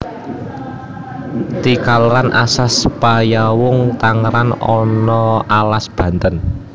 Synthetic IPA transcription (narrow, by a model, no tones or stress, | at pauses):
t̪ikalɾanasaspajawʊŋt̪aŋɾanɔnɔalasb̥ä̤nt̪ən